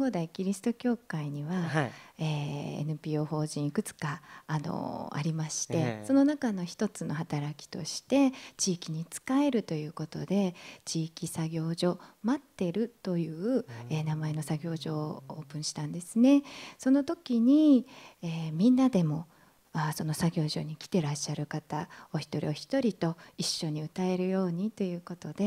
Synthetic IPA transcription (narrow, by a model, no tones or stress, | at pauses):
ŋɡo̞ːd̪aikʲiɾʲisɨ̥t̪o̞kʲo̞ːkaiɲ̟iβaeḛnɯ̟pʲiːo̞ːho̞ːʑĩikɯ̟t͡sɨ̥kaːno̞̰a̰ɾʲimaɕi̥t̪e̞so̞no̞nakano̞çi̥t̪o̞t͡sɨno̞ɦat̪aɾakʲi̥t̪o̞̰ɕi̥t̪e̞t͡ɕiːkʲiɲ̟it͡sɨ̥kae̞ɾɯ̟t̪o̞jɯ̟ːko̞t̪o̞d̪e̞t͡ɕiːkʲisaɡʲo̞ːʑo̞mat̪ːe̞ɾɯ̟t̪o̞jɯ̟ːeːnamae̞no̞saɡʲo̞ːʑo̞ːoːpɯ̟̃ɰ̃ɕi̥t̪ãnd̪e̞sɨne̞so̞no̞t̪o̞kʲiɲ̟ieːmʲĩnːad̪e̞mo̞ | aso̞no̞saɡʲo̞ːʑo̞̰ɲ̟ikʲi̥t̪e̞ɾaɕːaɾɯ̟kat̪ao̞çi̥t̪o̞ɾʲḭo̞çi̥t̪o̞ɾʲit̪o̞iɕːo̞ɲ̟iɯ̟t̪ae̞ɾɯ̟jo̞ːɲ̟it̪o̞jɯ̟ːko̞t̪o̞d̪̥e̞